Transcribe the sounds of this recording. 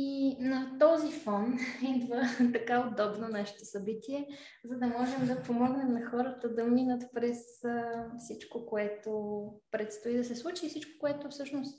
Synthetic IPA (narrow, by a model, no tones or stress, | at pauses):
inɐt̪ɔzifɔnid̪vət̪ɐkaod̪ɔbnonaʃɛ̥t̪osɐbit̪iɛ | zɐd̪ɐmɔʒɛmd̪ɐpomɔɡnɛmnɐxɔɾət̪əd̪ɐminət̪pɾɛsəfsit͡ʃkokoɛt̪opɾɛt̪st̪ʊid̪ɐsɛslˠut͡ʃifsit͡ʃko̥koɛt̪ʊfsɤʃnost̪